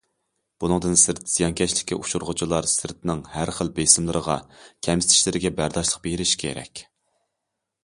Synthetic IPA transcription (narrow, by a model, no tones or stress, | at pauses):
b̥unɨŋd̪ɨnsɨɾt̪z̥ijɑnkʲɛʃlɪ̥kʲʰːiʔuʃuɾʁʊt͡ʃʰilˠɑɾsɨɾt̪̚nɪŋhæɾχəlˠbesɪmlˠɨɾəʁɑkʲʰɛmsɪ̥t̪ʰɪ̥ʃlɪɾɪɡʲɛbæɾd̪ɑʃlˠəq̚bejɾɪʃkʲʰḛɾɛ̰kʲ